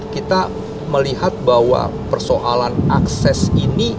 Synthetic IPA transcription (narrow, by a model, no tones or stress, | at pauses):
kit̪a | məliɦat̪̚bahwa̰pərsoʔalanaksɛsini